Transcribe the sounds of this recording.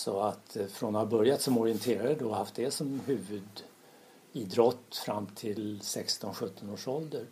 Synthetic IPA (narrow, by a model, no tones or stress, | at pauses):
sɔat̪fɾonhabœɾjat̪sɔmɔɾɪɛnt̪ʰeːɾaəd̪ohaft̪̚d̪ɛsɔmhʉ̟ːvɵd̪ | iːd̪ɾɔt̪ːfɾamːt̪ʰɪlsɛkst̪ɔnɧɵt̪ʰːɔnoːʂɔld̪əɾ